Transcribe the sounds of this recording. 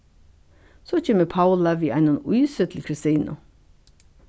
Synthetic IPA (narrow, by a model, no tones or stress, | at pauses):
soːc͡çeːməpʰaʊlɑʋiːʔæɪnʊnʊjsət̪ʰlkʰɾɪst̪iːnʊ̰